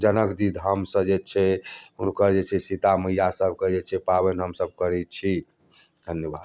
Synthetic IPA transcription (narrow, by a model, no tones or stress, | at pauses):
d͡ʒənəkd̪id̪ʱɦəmsə̃d͡ʒet͡ʃʰɛunkəɾd͡ʒet͡ʃʰɛsit̪aməijasəbʱked͡ʒet͡ʃʰɛpabenɦəmsəb̚kəɾɛt͡ʃʰi | d̪ʱənjəbad̪̚